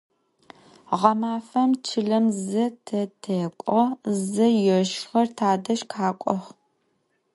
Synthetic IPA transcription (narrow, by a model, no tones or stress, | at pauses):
ʁɐmaːfɐmt͡ʃʰɨɮɐmzɐtʰɐtʰeːkʷʼɔzɐjɛʃχɐrtʰaːdɐʃkʰaːkʷʼɔχ